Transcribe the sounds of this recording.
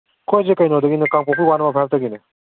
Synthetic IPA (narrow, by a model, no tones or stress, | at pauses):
kʰojzekajnodɐɡinɯkaŋpɔpʰiwanɐmapʰajap̚taɡinɯ